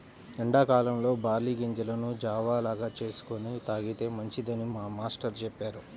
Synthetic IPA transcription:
iɳɖaːkaːlɐmlo̞ːbaːɾliːɡeɲd͡ʒulɐnud͡ʒaːʋaːlaːɡaːt͡ʃe̞ːsu̥konit̪aːɡit̪e̞ːmɐɲt͡ʃid̪ɐnimaːmaːsʈɐɾt͡ʃɛpːaːɾu

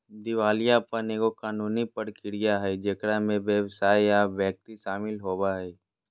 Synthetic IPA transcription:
d̪ɪʋaːlijapɐnekokaːnuːnipəɽkɪɽijaɦɛd͡ʒɐkɽamẽʋjəʋsaːiaʋjɛk̚t̪iʃaːmɪlɦoːbaɦɛ

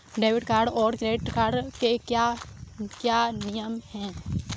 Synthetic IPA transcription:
ɖeːʋɪʈkaːɾɖɔːɾɡɾeːʈkaːɾɖkeka | kjaːnɪjəmhɛ̃ː

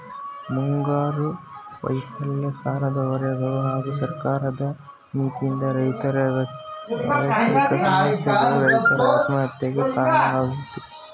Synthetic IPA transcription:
muŋɡaːɾuʋɐ̰jfɐlːɐsaːɾɐd̪ɐʋɐɾɐjɐɡɐɭuɦaːɡusɐɾkaːɾɐd̪ɐ | niːt̪ijind̪ɐɾɐjt̪ɐɾɐɐ | ɐɐt̪ikɐsɐmɐsjɐɡɐɭuɾɐjt̪ɐɾɐaːt̪mɐɦɐt̪jɐɡekaːɾɐnɐʋaːɡut̪ːi

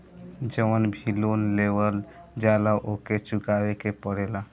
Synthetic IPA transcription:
d͡ʒəwənbʱilonlewəld͡ʒalaʔoket͡ʃukawekepəɽela

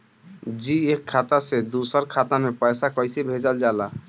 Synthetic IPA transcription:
d͡ʒiekʰːat̪ased̪usəɾkʰat̪amepəjsakəɪsebʱed͡ʒəld͡ʒala

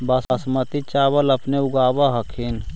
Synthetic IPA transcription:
basasmət̪it͡ʃaːbəlɐpneʊɡaːbaɦɐkʰɪn

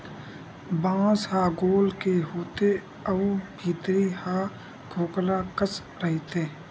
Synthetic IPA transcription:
bãːshaːɡoːlkeɦoːt̪e | əubʱiːt̪ɾihaː | ɡʰʱoːklakəs | ɾəɦet̪eː

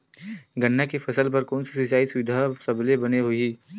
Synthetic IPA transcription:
ɡɐnːakefʰɐsəlp̬ɐɾkɔːnsisɪt͡ʃaːisʊʋɪd̪ʱasɐblebɐneɦʊiː

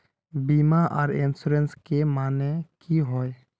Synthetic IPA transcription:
biːmaʔɔ̰ːɾɪnsuɾenskemaːnekʰiɦoːe

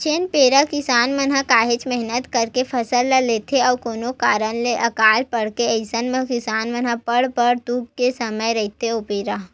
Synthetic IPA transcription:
t͡ʃeːnpeːɾakɪsaːnmənɦãkaːɦet͡ʃmɛɦnət̪kəɾkepʰɐsəlːaleːt̪ʰeɔːkoːnokaːɾənleʔɐkaːlpəɽ̤keəɪsənmẽkɪsaːnmɐnɦãpəɽpəɾt̪uːb̚kesəməjɾɐɦit̪eopeːɾa

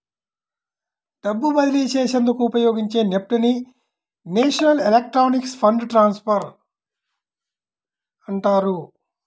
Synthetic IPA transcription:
ɖɐbːubɐd̪iliːt͡ʃeːʃend̪ukuːpɐjo̞ːɡiɲt͡ʃe̞ːnep̚ʈuni | neːʂɐnɐlelek̚ʈɾoːnikspʰɐɳɖʈɾaːnspʰɐɾ | ɐɳʈaːɾu

